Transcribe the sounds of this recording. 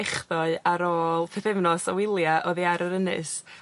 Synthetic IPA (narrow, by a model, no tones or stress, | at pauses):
ɛχðɔɨaɾoːlˠpʰɛθɪvnɔsa̰wɪlˠjaʔɔðiaɾəɾənɨ̰s